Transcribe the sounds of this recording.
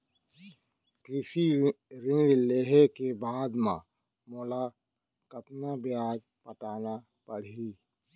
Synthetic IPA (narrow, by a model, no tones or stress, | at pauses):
kɾɪʃiɾɪ̃ŋɖleːɦekebaːd̪mã̰ | mola | kət̪nabjaːd͡ʒ | pəʈaːna | pəɽ̤i